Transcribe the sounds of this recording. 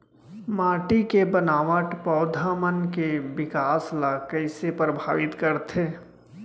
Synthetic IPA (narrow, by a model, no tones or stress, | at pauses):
maːʈikebənaːʋəʈpɔʊd̪ʱamənkeʋɪkaːslakəɪsepɾəbʱaːʋɪt̪kəɾt̪ʰeː